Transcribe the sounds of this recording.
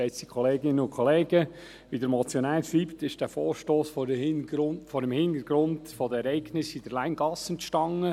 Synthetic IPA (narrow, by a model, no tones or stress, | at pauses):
ɛɪtsikʰχɔleːɡɪnənʊnkʰɔleːɡə | ʋidəɾmɔt͡sjɔnæːlbliːptɪʃd̥æːfoːɾʃtoːsf | fɔɾəmhɪnd̪əɾɡ̥ɾʊndfɔdəɛɾɛɪɡnɪsid̥əɾlæɪnɡ̥ɑsənʃtɑŋə